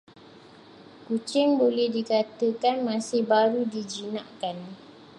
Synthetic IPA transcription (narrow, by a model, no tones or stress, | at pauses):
kut͡ʃɪŋbolɛhdikat̪əkanmãsɪhbaɾudid͡ʒinãʔkan